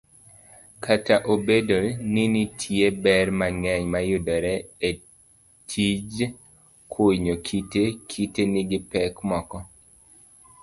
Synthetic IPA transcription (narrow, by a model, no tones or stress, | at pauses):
kʰataʔobedoninitʰjebɛrmaŋɛɲmajʊdɔɾɛe | tʰid͡ʒ | kʰoɲokʰitekʰitenɪɡɪpɛkmɔkɔ